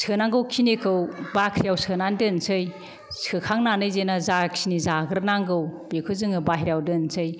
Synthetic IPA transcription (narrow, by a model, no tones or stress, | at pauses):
sʰɯnaŋɡɯwkʰinikʰɯwbakʰɾijawsʰɯnandɯnsɯj | sɯkʰaŋnanɯjzenazakʰinizaɡɯɾnaŋɡɯwb̥ekʰɯzɯŋɯbaɦiɾjawdɯnsʰɯj